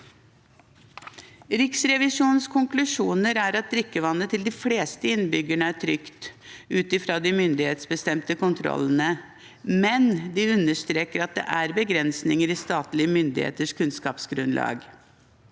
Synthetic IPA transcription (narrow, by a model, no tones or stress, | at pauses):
ɾɪksɾɛʋɪʂuːnskʰʊŋklʉʂuːnəɾæɾɑt̪̚d̪ɾʏkːəʋɑnːət̪ʰɪld̪ɪfleːst̪əɪnbʏɡəɳəæʈʰɾʏkt̪ʉːt̪ɪfɾoːd̪ɪmʏnd̪ɪheːt̪sbəst̪ɛmt̪əkʊnt̪ʰɾɔ̰lːən̩ə | mɛnd̪ɪʉnːəʂt̪ɾeːkəɾɑt̪̚d̪ɛ̰ʔæɾbəɡɾɛnsnɪŋəɾɪst̪ɑːt̪lɪəmʏnd̪ɪhḛːt̪əʂkʰʉnskɑːpsɡɾʉnlɑ̰ːɡ